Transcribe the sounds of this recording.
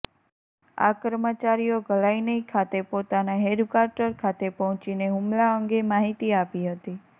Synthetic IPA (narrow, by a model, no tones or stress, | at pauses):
a̰kəɾmət͡ʃaɾijoɡəlainəikʰat̪epot̪anaɦeɖkaɾʈəɾkʰat̪epɔɦɔ̃t͡ʃineɦumlaəŋɡemaɦit̪iapiɦət̪i